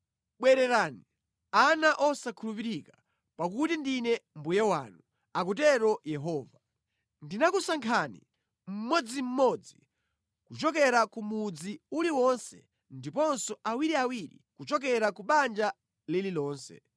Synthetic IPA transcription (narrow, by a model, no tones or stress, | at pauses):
ɓwɛɾɛɾaːni | anaʔɔsakʰulupiɾika | pak̬utindinɛmbujawa̰nu | ak̬utɛɾɔjɛɦɔːva | ndinakusaŋkʰanḭ | m̩mwɔd͡zim̩mɔd͡zi | kut͡ʃɔk̬ɛɾakumud͡ziuliwɔnsɛ̰ | ndipɔnsɔʔawiɾiawiɾḭkut͡ʃɔk̬ɛɾakuɓand͡ʒa | lililɔːnsɛ̰